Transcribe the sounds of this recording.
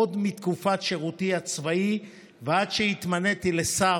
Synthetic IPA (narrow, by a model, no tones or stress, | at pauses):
od̪mit̪kufat̪ʃeʁut̪iat͡svai | vead̪ʃeit̪manet̪ilesa